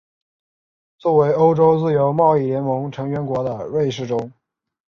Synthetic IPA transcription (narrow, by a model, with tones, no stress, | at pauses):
t͡swɔ˥˩we˧˥ɪo˥ʊʈ͡ʂo˥ʊt͡sɹ̩˥˩jo˧˥ʊmɑ˥˧ʊi˥˩ljɛ˧˥nmɤ˧˥ŋʈ͡ʂʰɤ˧˥ŋɥɛ˧˥nkwɔ˧˥d̪ə˧ɻe˥˧ɪʂɻ̩˥˩ʈ͡ʂʊ˥ŋ